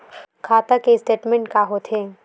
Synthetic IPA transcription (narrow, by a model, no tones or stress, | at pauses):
kʰaːt̪akesʈeːʈmẽɳʈkaɦot̪ʰɦeː